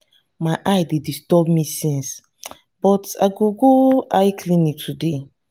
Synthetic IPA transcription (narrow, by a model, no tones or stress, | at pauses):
majʔajdedistɔbmisĩns | bɔtaɡoɡoajkʰlĩnitʰude